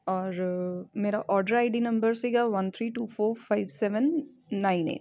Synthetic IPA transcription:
ɔːɾmeːɾaʔɔːɾɖəɾaɪɖinɐ̃mbəɾsiɡaʋɐnt̪ʰɾiːʈuːfoːɾfaɪʋsɛʋənː | aːɪ̃nḛːʈ

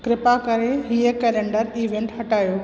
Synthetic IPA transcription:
kɾɪpakɐɾeɦiekeːlẽːɳɖəɾiːʋẽːɳʈɦɐʈaːjoː

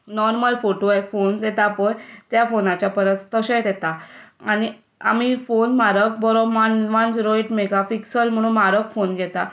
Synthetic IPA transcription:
nɔɾməlfoʈoekfond̪ɛt̪apəjt̪jafonat͡ɕjapəɾət̪t̪əɕɛ̃t̪ɛt̪aaɽ̃i | a̰mifonmaɾək̚bəɾɔbmanʋãnd͡ʑɾojʈmeɡapiksəlm̤əɽ̃ũːnmaɾəkfonɡʱɛt̪a

